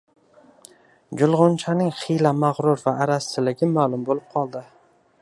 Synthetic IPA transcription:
d͡ʒʊlˠʁʊnt͡ʃʰanɪŋχijlamaʁɾʊɾvaːɾasɪlɪɡʲɪmalˠʊmbolɪp̚qʰɒlˠd̪ɪ

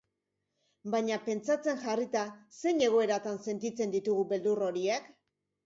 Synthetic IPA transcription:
bajɲape̞nt͡sat͡se̞nʝarit̪ase̞jɲe̞ɣ̞o̞e̞ɾat̪anse̞nt̪it͡se̞nd̪it̪uɣube̞ld̪uro̞ɾiek

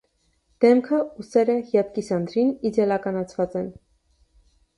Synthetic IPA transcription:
d̪̥ɛmkʰəusɛɾəhjɑp̪̚kisɑnd̪ɾinid͡zjɛlɑkɑnɑt͡sʰvɑt͡sɛn

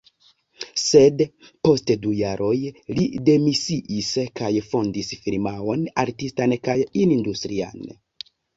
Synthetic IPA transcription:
se̞dpo̞stdujaɾʔo̞jlide̞misiʔiskajfo̞ndisfilmao̞naɾtistankajinindustɾia̰n

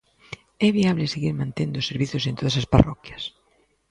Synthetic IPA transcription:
ɛβ̞iaβleseɣiɾmãnt̪end̪oseɾβiθjosent̪oðasaspa̰rɔkjas

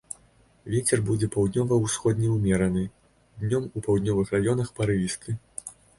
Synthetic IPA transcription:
vʲɛt͡sʲɛrbud͡zʲɛpɐwd̪nʲɔvɐwsxɔd̪ʲnʲɛwmʲɛɾɐnɨ | d̪ʲnʲɔmupawd̪nʲɔvɨxɾajɔnɐxpɐɾɨist̪ɨ

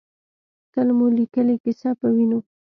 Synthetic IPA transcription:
t̪əlmulikəlekɪsɑpəwino

